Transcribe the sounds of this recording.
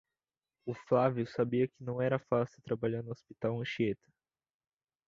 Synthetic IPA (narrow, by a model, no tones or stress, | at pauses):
ʊflaviʊsabiɐkɪnɐ̃w̃ɛɾɐfasɪt̪ɾabaʎaɾnʊospit̪awẽʃiet̪ɐ̥